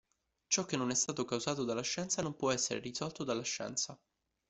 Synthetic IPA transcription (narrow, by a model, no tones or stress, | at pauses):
t͡ʃɔk̟ːenːonɛst̪aːt̪okawzaːt̪od̪alːaʃːɛnt̪sanompwɔɛsːeɾḛrizɔlt̪od̪alːaʃːɛ̰nt̪sa